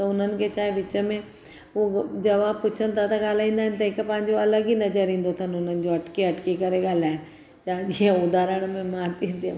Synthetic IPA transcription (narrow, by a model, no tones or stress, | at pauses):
t̪ɐʊn̤ənɪ̆kʰet͡ɕaːɦeʋɪt͡ɕə̆mẽ | ud͡ʑɐʋapʊt͡ɕʰən̆t̪ʰat̪ɐɠaːl̤aːĩːnd̪aɦɪnɪ̆t̪̬ɐɦɪkpɐ̃ɦɪ̃ɲd͡ʑoɐləɡinɐzəɾĩːn̆d̪ot̪ʰɐnɪʊn̤ənɪ̆d͡ʑoɐʈkeɐʈkekɐɾeɠaːl̤aːɪɽ̃ | t͡ɕaːɦʄiə̃ʊd̪ʱaːɾəɽ̃mẽmãt̪ʰĩːnd̪iã